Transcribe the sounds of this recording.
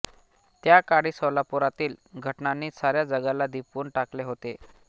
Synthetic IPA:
t̪jakaɽiːsəlapuɾat̪iːlɡʱəʈnaniːsaɾjad͡zəɡalad̪ipuːɳʈakleɦot̪e

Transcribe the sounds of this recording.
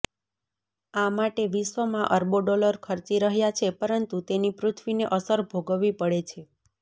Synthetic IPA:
amaʈeʋiʃʋəmãʔəɾboɖɔləɾkʰəɾt͡ʃiɾəɦjat͡ʃʰepəɾənt̪ut̪enipɾʊt̪ʰʋineʔəsəɾbʱoɡəʋipəɽet͡ʃʰe

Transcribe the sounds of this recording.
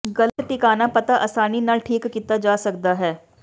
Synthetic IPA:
ɡɐlət̪ʈɪkaːnapɐt̪aʔɐːsaːninɐʈʰiːkːit̪ad͡ʒaːsɐk̚d̪aɦɛː

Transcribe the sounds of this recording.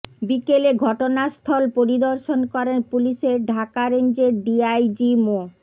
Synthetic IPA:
bikeleɡʱɔʈonast̪ʰɔlpoɾid̪oɾʃonkɔɾenpuliʃeɾɖʱakaɾend͡ʑeɾɖiajd͡ʑimo

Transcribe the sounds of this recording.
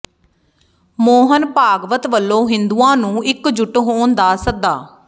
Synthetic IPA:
moːɦənpaːɡʋət̪ʋəlːõːɦɪnd̪uːãːnũːʔɪkd͡ʒʊʈɦoːnd̪aːsək̚d̪aː

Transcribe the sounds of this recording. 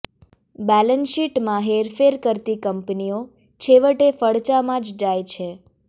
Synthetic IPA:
bɛlənʃiʈmãɦeɾfeɾkəɾt̪ikəmpnio | t͡ʃʰeʋəʈefəɭt͡ʃamãd͡ʒd͡ʒajt͡ʃʰe

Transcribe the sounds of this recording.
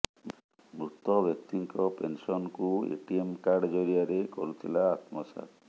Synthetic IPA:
mɾut̪ɔbjɔk̚t̪iŋkɔpensɔnkuḛʈiemkaɾɖd͡ʒɔɾiaɾekoɾut̪ʰilaːt̪mɔsa̰t̪

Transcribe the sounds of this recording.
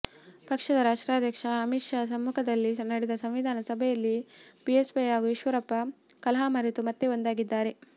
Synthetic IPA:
pɐkʂɐd̪ɐɾaːʂʈɾaːd̪ʱjɐkʂɐːmiʂasɐmːukʰɐd̪ɐlːinɐɽed̪ɐsɐ̃mʋid̪ʱaːnɐsɐbʱɛjɐlːibiesʋɐjɦaːɡuiʃʋɐɾɐpːɐkɐlɐɦaːmɐɾit̪umɐt̪ːeond̪aːɡid̪ːaːɾe̞

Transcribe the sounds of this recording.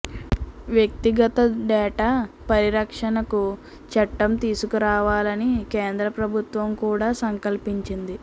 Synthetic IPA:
ʋjek̚t̪iɡɐt̪ɐɖɛːʈaːpɐɾiɾɐkʂɐnɐku | t͡ʃɐʈːɐmt̪iːsukuɾaːʋaːlɐnikeːnd̪ɾɐpɾɐbʱut̪ʋɐmkuːɽaːsɐŋkɐlpiɲt͡ʃind̪i

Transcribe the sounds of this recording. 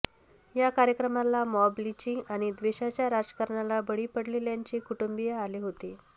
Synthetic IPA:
jakaɾjəkɾəmalamɔblit͡ɕiːʔaɽ̃id̪ʋeɕat͡ɕjaɾad͡ʑə̥kəɾɳalabəɽiːpəɽleljaɲt͡ɕiːkuʈumbijaːleɦot̪e

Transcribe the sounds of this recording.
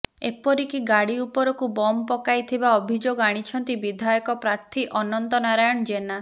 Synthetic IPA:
epɔɾikiɡaɽiupɔɾɔkubɔmɔpɔkajt̪ʰibaɔbʱid͡ʒoɡaɽ̃it͡ʃʰɔnt̪ibid̪ʱajɔkɔpɾaɾt̪ʰiʔɔnɔnt̪ɔnaɾajɔɳ̃d͡ʒena

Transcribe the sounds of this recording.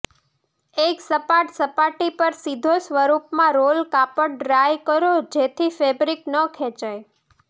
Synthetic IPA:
eksəpaʈsəpaʈipəɾsid̪ʱosʋəɾupmãɾolkapəɽɾajkəɾod͡ʒet̪ʰifebɾiknəkʰɛ̃t͡ʃaj

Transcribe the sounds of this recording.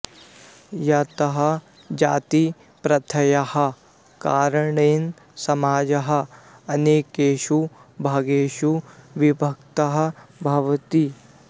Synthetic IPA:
jɐt̪ɐɦɐ̆ | d͡ʒaːt̪i | pɾɐt̪ʰɐjɐhɐ̆ | kaːɾɐɳeːn | sɐmaːd͡ʒɐɦɐ̆ | ɐneːkeːʃubʱaːɡeːʃuʋibʱɐk̚t̪ɐɦɐ̆bʱɐʋɐt̪i

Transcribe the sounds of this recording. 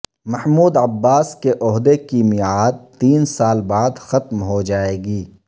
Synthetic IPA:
mɐhmuːd̪ɐbːaːskeʔɔɦd̪ekimɪaːd̪̚t̪iːnsaːlbaːd̪xɐt̪mɦod͡ʒaːeːɡiː

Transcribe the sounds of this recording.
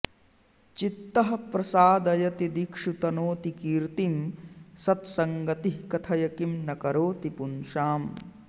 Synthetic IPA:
t͡ʃit̪ːɐɦɐpɾɐsaːd̪ɐjɐt̪id̪ikʂut̪ɐnoːt̪ikiːɾt̪imsɐt̪sɐŋɡɐt̪iɦkɐt̪ʰɐjɐkimnɐkɐɾoːt̪ipunʃaːm

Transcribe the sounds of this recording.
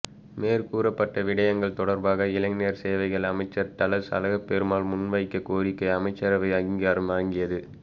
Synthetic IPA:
meːɾkuːɾɐpːɐʈːɐʋɪɽɐjɐŋɡɐɭt̪ɔɽɐɾbaːɣɐɪlɐŋnejɐɾseːʋɐɪɣɐɭɐmɐɪt͡ʃːɐɾt̪ɐlɐɾsɐ̰lɐɣɐpːɛɾɯmaːlmʊnʋɐɪkːɐkoːɾɪkːɐɪɐmɐɪt͡ʃːɐɾɐʋɐɪɐɣɪŋɡaːɾɐmʋaːŋɡɪjɐðɯ

